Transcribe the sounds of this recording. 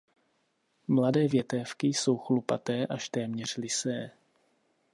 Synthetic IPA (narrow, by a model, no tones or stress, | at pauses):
mladɛːvjɛt̪ɛfkɪso̞wxlupat̪ɛːʔaʃt̪ɛːmɲɛr̝̥lɪsɛː